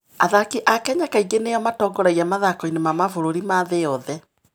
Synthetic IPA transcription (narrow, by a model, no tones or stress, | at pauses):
aðakiʔakɛɲakaiɡeneɔmatɔːŋɡɔɾɛiamaðakɔinemamafoɾoɾimaðejɔðɛ